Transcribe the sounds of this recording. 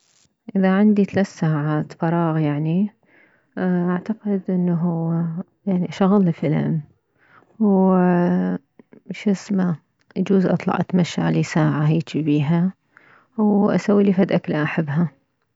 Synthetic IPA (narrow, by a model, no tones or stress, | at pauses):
ʔɪðaʕɪnd̪it̪alat̪saːʕaːt̪fɑɾˤɑːɣjaʕni | ʔaʕt̪aqɪd̪ʔɪnːɦu | jaʕniʃaɣlfɪlɪ̰m | w | ʃɪsma | ʔad͡ʒuːzʔɑ̰t̪ˤlɑ̰ʕʔat̪maʃːa̰ʕlisaːʕaɦaːt͡ʃ̪ibiːɦa | wʔa̰sawːilifad̪ʔaklaʔaħabːɦa